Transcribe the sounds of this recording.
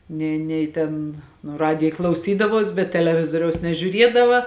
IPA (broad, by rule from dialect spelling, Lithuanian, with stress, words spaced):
ˈnʲeː ˈnʲɛɪ tʲeːn nʊ ˈrɑːdʲɪjɛ klˠɐʊˈsʲiːdɐʋuɔs bʲɛt tʲɛlʲɛˈʋʲɪzoːrʲɛʊs nʲɛʒʲuːˈrʲiɛdɐʋɐ